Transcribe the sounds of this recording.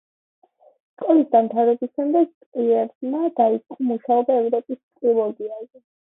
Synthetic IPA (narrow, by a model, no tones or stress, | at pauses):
skʼɔlisd̪amt̪ʰavɾɛbisʃɛmd̪ɛɡ̚t̪ʼqʼiɛɾmad̪̥ait̪sʼqʼɔmuʃaɔb̪aɛvɾɔpʼist̪ʼɾilˠɔɡiazɛ